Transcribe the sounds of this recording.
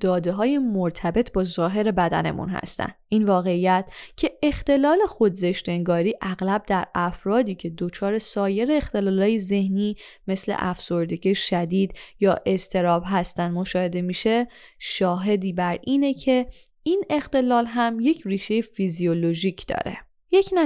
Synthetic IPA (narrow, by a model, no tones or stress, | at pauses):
d̪̥ɒːd̪e̞ɦɒːjemoɾt̪ʰæbe̞t̪ʰbɒːzɒːɦe̞ɾe̞bæd̪æ̰ne̞̰mṵnɦæ̰st̪æ̰nʔinvɒːɣe̞ijæt̪̚ʰcʰe̞ext̪e̞lɒːle̞xod̪ze̞ʃt̪e̞ŋɡɒːɾiːʔæɣlæb̚d̪æɾæfɾɒːd̪iːcʰe̞d̪o̞t͡ʃʰɒːɾe̞sɒːje̞ɾe̞ːxt̪e̞lɒːlɒːjeze̞hniːme̞slḛʔæfso̞ɾd̪eɟiʃæd̪iːd̪jɒːʔe̞st̪ʰe̞ɾɒːbɦæst̪ænd̪moʃɒːhe̞d̪e̞miːʃe̞ | ʃɒːɦe̞d̪iːbæɾʔiːnecʰe̞ | iːne̞xt̪e̞lɒːlɦæmje̞cʰriːʃe̞jefizioloʒiːcʰd̪̥ɒ̰ːɾe̞̰ | jecʰnæ